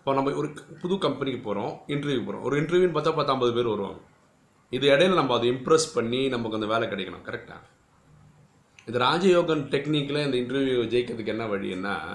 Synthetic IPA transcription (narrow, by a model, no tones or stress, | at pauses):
ɪpːoːnɐmːbɐɔɾɯpʊðʊkɐmpnɪkːɯpoːɾõːɪɳʈɐɾjukːpoːɾõ̰ːʔɔ̰ɾɯɪɳʈɐɾʋjunɐp̬aːt̪ːaːpaːɾt̪ːaːmbɐðɯpeːɾʋɐɾɯʋa̰ːŋɡɐ | ɪðɯɛɽɐjɪlɐnɐmːɐːðɯɪmpɾɛspɐɳːinɐmːɐkːɯɐnd̪ɐʋeːlɛkɪɽɐɪkːɐɳʊ̰mkɐɾɛk̚ʈːa̰ː | ɪnd̪ɐɾaːd͡ʒɐjoːɡɐnʈɛkniːkːɪleɪnd̪ɐɪɳʈɐɾʋjud͡ʒɛjɪkːɾɐðɯkːɛnːɐʋɐɻɪ̰jɛ̰nːa̰ː